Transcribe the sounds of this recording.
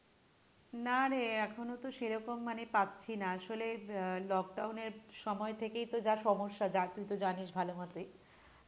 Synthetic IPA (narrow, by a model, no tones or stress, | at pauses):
naɾeɛkʰonot̪oʃeɾɔkomːanepatːɕʰinaaʃolelɔk̚ɖawneɾʃɔmɔet̪ʰekejt̪od͡ʑaʃɔmoʃːad͡ʑat̪ujt̪od͡ʑaniʃbʱalomat̪e